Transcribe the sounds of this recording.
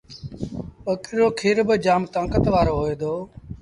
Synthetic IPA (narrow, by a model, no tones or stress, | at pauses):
pəkɾɪɾoːkʰiːɾbɪd͡ʒaːmt̪ãːŋkət̪ʋaːɾoːɦoːeːd̪oː